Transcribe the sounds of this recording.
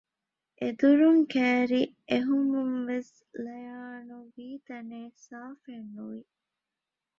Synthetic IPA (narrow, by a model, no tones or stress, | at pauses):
ʔed̪uɾuŋkæːɾiʔeɦumumʋes | lɐjaːnuʋiːt̪ɐneːsaːfenːuʋi